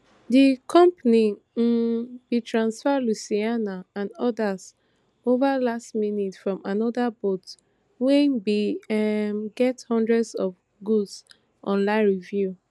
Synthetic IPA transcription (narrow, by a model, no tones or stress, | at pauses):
dikʰɔ̃mpani | bitʰɹãnsfadlusianaãnɔdas | ovalastminitfɹɔ̃manɔdabot | wɛ̃nbi | mɡɛthɔ̃ndɹɛdsɔf | ɡuds | ʔɔ̃nlãɪ̃nɹivju